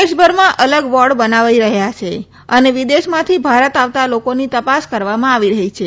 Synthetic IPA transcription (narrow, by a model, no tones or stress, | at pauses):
esbʱəɾmãʔələɡʋɔɾɽbənaʋiɾəɦjat͡ʃʰe | əneʋid̪eʃmãt̪ʰibʱaɾət̪aʋt̪alokonit̪əpaskəɾʋamãaʋiɾəɦit͡ʃʰe